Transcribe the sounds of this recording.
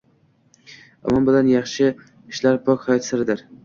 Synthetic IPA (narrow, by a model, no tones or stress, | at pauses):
a̰mɒmbɪlanjɑχʃɪ | ɪʃlaɾpʰokʲhajɒt̪sɪɾɪd̪ɪɾ